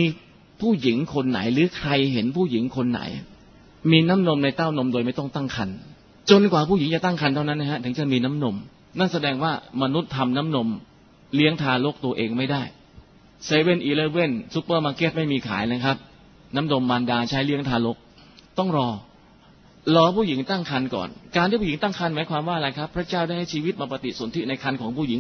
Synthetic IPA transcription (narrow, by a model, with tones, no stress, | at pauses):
miː˧ | pʰuː˥˩ji˨˩˦ŋkʰo˧nːa̰˨˩˦jɾɯː˨˦kʰɾa˧jɦe˩˦npʰuː˥˩ji˩˦ŋkʰo˧nːa̰˩˦j | miː˧na˦˥mno˧mna˧jt̪aː˥˩wno˧mdoː˧jma˥˩jt̪ɔ˥˩ŋt̪a˥˩ŋkʰa˧n | t͡ɕo˧nkwaː˨˩pʰuː˥˩ji˩˦ŋt͡ɕa˨˩t̪a˥˩ŋkʰa˧nt̪ʰa˥˩na˦˥nːa˦˥kʰa˦˥t̪ʰɯ˩˦ŋt͡ɕa˨˩miː˧na˦˥mno˧m | na˥˩nsa˧dɛː˧ŋwaː˥˩ma˧nu˦˥t̪ʰːa˧mna˦˥mno˧m | li˦˥əŋt̪ʰaː˧lo˦˥k̚t̪u˧ɐʔeː˧ŋma˥˩jdaː˥˩j | se˧we˥˩nʔiː˧˩lɤː˧˩we˥˩nsu˦˥pːɤː˥˩maː˧keː˦˥˩t̪̚ma˥˩jmiː˧kʰa̰ː˩˦jnaː˦˥˩kʰɾa˦˥p̚ | na˦˥mno˧mːaː˧ndaː˧t͡ɕʰaː˦˥jli˦˥əŋt̪ʰaː˧lo˦˥k̚ | t̪ɔ˥˩ŋɾɔː˧ | lɔː˧pʰuː˥˩ji˩˦ŋt̪a˥˩ŋkʰa˧nkɔ̰ː˨˩nkaː˧nt̪iː˥˩pʰuː˥˨˩i˩˦ŋt̪a˥˩ŋkʰa˧nmaː˩˦jkʰwaː˧mwaː˥˩a˧ɾa˧jkʰa˦˥pʰːɾa˦˥t͡ɕaː˥˩wdaː˥˩jha˥˩jt͡ɕʰiː˧wi˦˥t̪̚maː˧pa˧t̪ḭ˨˩su˨˩˦nt̪ʰi˦˥na˧jkʰa˧nkʰɔː˩˦ŋpʰuː˥˩ji˩˦ŋ